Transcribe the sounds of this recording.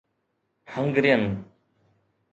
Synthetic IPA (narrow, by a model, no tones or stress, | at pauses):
həŋɡɾɪjən